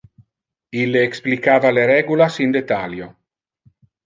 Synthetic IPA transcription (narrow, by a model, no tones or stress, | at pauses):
ilːeːksplikaːvaleɾɛɡulasind̪et̪aljo